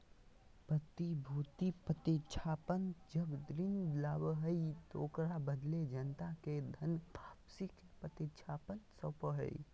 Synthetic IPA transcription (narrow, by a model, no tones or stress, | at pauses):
pət̪ibʱuːt̪ipət̪it͡ʃʰaːpənd͡ʒəbd̪ɾɪnd̪laːbəɦəit̪okɾabəd̪led͡ʒənt̪aked̪ʱənbʱaːpsik | pət̪it͡ʃʰaːpənsəpəɦə̰i